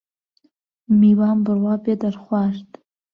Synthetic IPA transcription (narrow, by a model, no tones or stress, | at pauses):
miwambɨrwapʼadarχʷaʂtʼ